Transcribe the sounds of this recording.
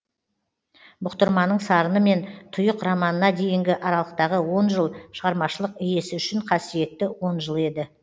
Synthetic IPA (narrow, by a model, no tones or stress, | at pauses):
bʊqt̪əɾmɑnəɴsɑɾənəme̞nt̪ʰʊjəqrɑmɑnənɑd̪e̞jɪŋɡʲɪʔɑɾɑlˠəq̚t̪ɑʁəwo̞nʒəlˠʃəʁɑɾmɑʃəlˠəqɪje̞sɪʏʃɪɴqʰɑsije̞t̪ːɪwo̞nʒəlˠe̞d̪ɪ